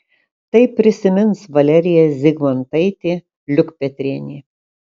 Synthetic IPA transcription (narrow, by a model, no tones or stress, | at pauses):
t̪ɐɪpʲːɾʲɪsʲɪmʲɪnsʋɐlʲɛɾʲɪjɛzʲɪɡʋɐnt̪ɐɪt̪ʲeː | lʲʊkpʲɛt̪ʲɾʲiɛnʲiː